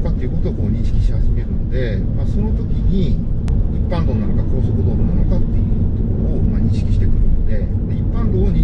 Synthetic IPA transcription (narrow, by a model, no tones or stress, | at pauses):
kat̪ːeiɯ̟ko̞t̪oːkoːɲ̟ĩɰ̃ɕi̥kʲiɕihaʑime̞ɾɯ̟nod̪e̞ | maːso̞no̞t̪o̞kʲiɲ̟i | ipːãŋɡ̪oːnanokako̞ːsokɯ̟d̪oːnonanokat̪ːejɯ̟t̪okoɾoomaːɲ̟ĩɕi̥kʲi̥ɕi̥t̪e̞kɯ̟ɾɯ̟nod̪e̞ | d̪eipːãŋɡoːoɲ̟ĩ